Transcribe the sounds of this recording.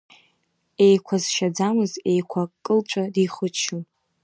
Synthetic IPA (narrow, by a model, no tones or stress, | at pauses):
e̞jkʷʰazʃad͡zamɨze̞jkʷʰakʼːɨlt͡ʃʷʼadiχʊt͡ʃʰun